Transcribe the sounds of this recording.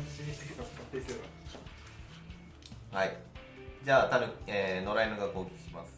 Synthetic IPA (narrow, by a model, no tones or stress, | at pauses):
ikaat̪ekʲoːɡa | hai | d͡ʑaːt̪aɾɯeːno̞ɾainoɡakːoːɡʲeki̥ɕima̰sɨ̥